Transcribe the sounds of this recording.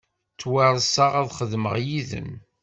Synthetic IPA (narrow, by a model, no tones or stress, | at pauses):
t͡sːwæɾˤsaʁæðχəðmə̰ʁjiðə̰m